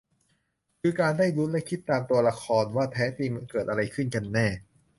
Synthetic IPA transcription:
kʰɯː˧kaː˧ndaː˥˩jɾu˦˥t̪lɛ˦˥kʰi˦˥t̪ːaː˧mt̪u˧ɐla˧kʰɔː˧nwaː˥˩t̪ʰɛː˦˥t̪iː˧m˧nkɤː˨˩t̪̚ʔa˧ɾa˧jkʰɯ˥˩nka˧nːɛː˥˩

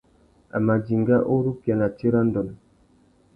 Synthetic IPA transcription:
a̰˨ma˨d͡ʒi˨ŋɡa˦ʔo˦ɾu˦kja˨na˨t͡ʃe˦ɾa˦n˦dɔ˨n

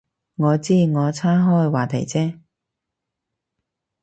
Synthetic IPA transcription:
ŋɔː˨˧t͡siː˥˩ŋɔː˨˧t͡sʰaː˥ɦɔː˥jwaː˨˩t̪ʰɐ˨˩jt͡sɛː˥˩

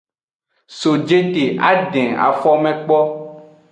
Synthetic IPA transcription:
so˨d͡ʒe˦t̪e˨ʔa̰˦ɖɛ̃˨a̰˨fɔ˦mɛ̃˦k͡pɔ˦

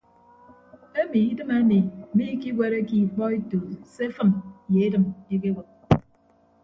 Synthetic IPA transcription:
e˦mi˨i˦dɨ˦me˦mi˨mi˦ki˦ɡʷe˨ɾe˦ki˦˨k͡pɔ˦e˦to˨se˦fɨ˦m˨je˨e˦dɨ˨me˦ke˦ɡɔ˨k̚

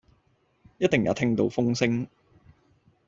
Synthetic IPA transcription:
jɐ˥t̚t̪ɪ˨ŋjɐ̰˨˥wt̪ʰɪ˥ŋt̪o˧wfʊ˥ŋsɪ˥ŋ

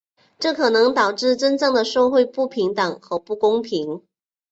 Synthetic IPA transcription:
ʈ͡ʂɤ˥˩kʰɤ˨˩nɤ˧˥ŋt̪ɑ˨˩ʊʈ͡ʂɻ̩˥˩ʈ͡ʂə˥nʈ͡ʂɤ˥˩ŋd̪ə˩ʂo˥˧ʊxwe˥˧ɪpu˥˩pʰi˧˥ŋt̪ɤ˨˩ŋxɤ˧˥pu˥˩kʊ˥ŋpʰi˧˥ŋ

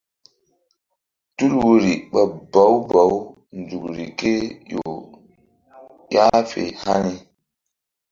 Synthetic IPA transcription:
tu˦lwo˦ɾi˨ɓa˨ba˨˦wba˨˦w | n˨d͡zu˨kɾi˨ke˦jo˨ | ja˦fḛ˨ha˦ni˦

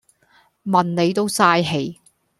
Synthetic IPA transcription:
mɐ˨nne˨˧jt̪o˥wsaː˧jɦe˨˧j

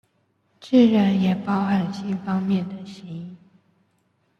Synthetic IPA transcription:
ʈ͡ʂ̩˥˩ɻə˧˥njɛ˨˩pɑ˥ʊxa˧˥nt͡ɕʰi˥˩fɑ˥ŋmjɛ˥˩nd̪ə˩ɕi˧˥ŋ˥˩

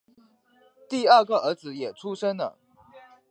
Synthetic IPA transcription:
t̪i˥˧ə˞˥˩ɡə˨ə˧˥d͡zɹ̩˧jɛ˨˩ʈ͡ʂʰu˥ʂə˥ŋd̪ə̰˨

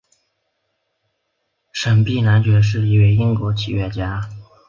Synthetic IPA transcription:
ʂə˨˩npi˥˩na˧˥nt͡ɕɥɛ˧˥ʂ̬ɻ̩˥˧i˥˩we˧˥˩ɪi˥ŋkwɔ˧˥t͡ɕʰi˨˩ɥɛ˥˩t͡ɕja˥

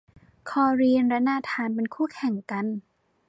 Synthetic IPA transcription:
kʰɔː˧ɾi˧ənɾa˦˥naː˧t̪ʰaː˧npe˧nkʰuː˥˩kʰɛ˨˩˦ŋka˧n

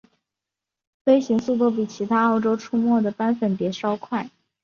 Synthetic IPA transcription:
fe˥ɪɕi˧˥ŋsu˥˧t̪̬wɔ˥˩p̬i˨˩t͡ɕʰi˧˥t̪ʰa˥o˥˩ʊʈ͡ʂo˥ʊʈ͡ʂʰu˥mwɔ˥˩d̪ə˩pa˥nfə˨˩npjɛ˧˥ʂɑ˥ʊkʰwa˥˩ɪ

